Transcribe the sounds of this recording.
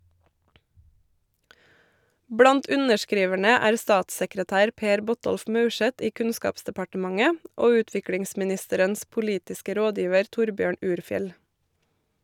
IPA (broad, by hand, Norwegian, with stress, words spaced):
ˈbɽɑnt ˈʉnəʃˌkɾiːʋæɳə ˈæːɾ ˈstɑːtsəkɾəˌtæːɾ ˈpeːɾ ˈbɔˌtɔlf ˈmɑʉˌʃɛt ˈiː ˈkʉnˌskɑːpsdɛpɑʈəˌmɑŋə ˈoː ˈʉːtʋɪkɽɪŋsmɪˌnɪstəɾəns pʊˈliːtɪskə ˈɾoːˌdjiːʋəɾ ˈtʊɾˌbjøːɳ ˈʉːɾˌfjɛl